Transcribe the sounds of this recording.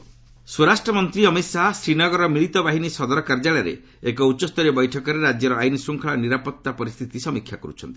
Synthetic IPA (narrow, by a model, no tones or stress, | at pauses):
suɾasʈɾɔmɔnt̪ɾiɔmit̪sasɾinɔɡɔɾɔmiɭit̪ɔbaɦinisɔd̪ɔɾɔkaɾd͡ʒaɭaɾḛ | ekɔuɔst̪ɔɾibɔjʈʰɔkɔɾeɾad͡ʒjɔɾɔajnisuŋkʰɔɭaniɾapɔt̪ːapɔɾist̪ʰit̪isɔmikʰjakɔɾṵt͡ʃʰɔ̰nt̪ii̥